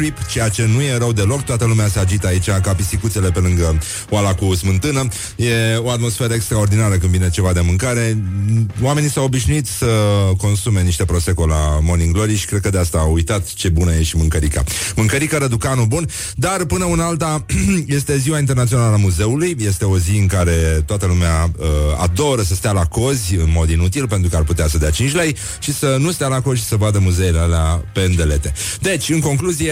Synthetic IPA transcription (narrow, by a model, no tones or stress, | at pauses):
ɾipt͡ʃe̞jat͡ʃe̞nuje̞ɾəwd̪e̞lo̞kt̪oat̪əlumeasead͡ʒit̪əait͡ʃakapisikut̪sele̞pe̞lɨŋɡə | walakusmɨnt̪ɨnə | je̞oat̪mo̞sfe̞ɾəekst̪ɾaord̪inaɾəkɨnvine̞t͡ʃe̞vad̪e̞mɨŋkaɾe̞ | owame̞nisawo̞biʃnuit̪səko̞nsume̞niʃt̪e̞pɾo̞se̞ko̞la̰mo̞niŋɡloɾiʃi̥kɾe̞d̪̚kəd̪east̪aːwujt̪at̪t͡ʃe̞bunəjeʃʲmɨŋkəɾika̰mɨŋkəɾikəɾəd̪ukanubun | d̪arpɨnəɨnalt̪aje̞st̪e̞ziwaint̪ernat̪sionaləamuze̞ulujje̞st̪e̞o̞ziɨŋkaɾe̞t̪oat̪əlumeaəa̰d̪o̞ɾəsəst̪ealako̞zʲɨnmo̞d̪inut̪ilpe̞nt̪ɾukəarput̪easəd̪eat͡ʃint͡ʃʲlej | ʃisənust̪ealako̞zʲʃi̥səvad̪əmuzeilealeape̞ɨnd̪e̞le̞t̪e̞d̪e̞t͡ʃʲɨŋko̞ŋkluzie